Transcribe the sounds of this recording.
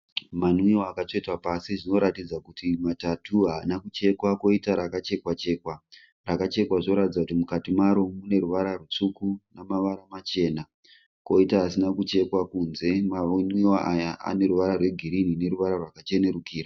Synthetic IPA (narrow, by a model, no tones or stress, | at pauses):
manwioakat͡ʃe̞twapasiʐino̞ɾatid͡zakutimatatʰuɦaːnakut͡ʃe̞kwako̞itaɾakat͡ʃe̞kwat͡ʃe̞ːkwa | rakat͡ʃe̞kwaʐo̞ɾatid͡zakutimukatimaɾo̞mune̞ɾuʋaɾarut͡ʂukunamaʋaɾamat͡ʃe̞na | ko̞itaɦasinakut͡ʃe̞kwakunze̞manwiaʔajaa̰ne̞ɾuʋaɾarwe̞ɡʱiɾinine̞ɾuʋaɾarwakat͡ʃe̞ne̞ɾukiːra